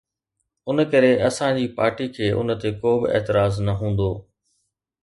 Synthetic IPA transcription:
ʊnkɐɾeɐsãd͡ʑiːpaːɾʈikʰeːʔʊ̰nət̪ekoːbɪ̰ʔɛ̰ːt̪ɪɾaːznɐɦũːn̆d̪oː

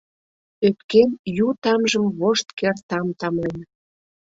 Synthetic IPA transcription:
øt̪kenjut̪ɑmʒəmβoʃt̪kert̪ɑmt̪ɑmlen

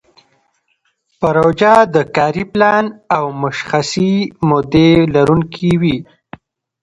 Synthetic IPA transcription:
paɾowd͡ʒɑd̪əkɑɾiplɑnawmʊʃxasimod̪elaɾuŋkʰiwi

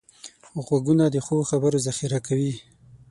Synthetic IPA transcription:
xɣwaɡunad̪əxoxabəɾozaxiɾakawi

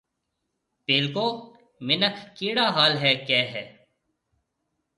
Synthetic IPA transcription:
peːlkoː | mɪnəkʰːiːɽaːɦaːlɦɛːkjɛːɦɛː

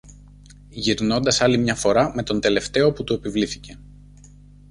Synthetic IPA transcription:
ʝiɾno̞nd̪ɐsɐlimɲɐfo̞ɾɐme̞t̪o̞nd̪e̞le̞ft̪e̞o̞put̪ue̞pivliθice̞

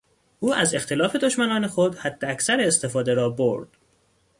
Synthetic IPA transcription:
ʔuːʔæze̞xt̪ʰe̞lɒːfe̞d̪o̞ʃmænɒːne̞xo̞d̪hæd̪̥ːeæcsæɾeːst̪e̞fɒːd̪e̞ɾɒːboɾd̪̥

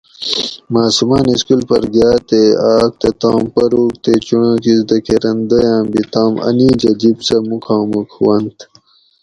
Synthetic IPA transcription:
maːsumaːniskulpɐɾɡjaːt̪eaːk̚t̪et̪ãːmpɐɾuːk̚t̪et͡ɕuɳãːkisd̪ɐkeɾɐnd̪ɐjãːmbit̪ãːmɐ̰nid͡ʑɐd͡ʑibsɐmukʰãːmukwɐnt̪

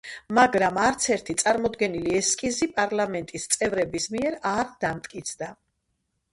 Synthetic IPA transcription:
maɡɾamaɾt̪sʰɛɾt̪ʰit̪sʼaɾmɔd̪ɡɛniliɛskʼizipʼaɾlamɛnt̪ʼist̪sʼɛvɾɛbismiɛɾaɾd̪̥amt̪ʼkʼit̪sʰd̪a

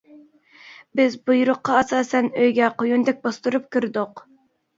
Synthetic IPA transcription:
bɪzbujuɾʊqːɑɑsɑːsɛnøjɡʲɛqʰojund̪ɛk̚ʲbɑst̪uɾup̚kʲʰyɾd̪ʊq

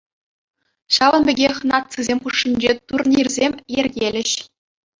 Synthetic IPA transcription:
ɕɑvɤ̆nbʲɘ̆ɡʲeχʲnɑt̪̚sɯzʲemʲχuʂːinʲd͡ʑet̪urnʲirʲzʲemʲjerʲɡʲelʲɘ̆ɕ

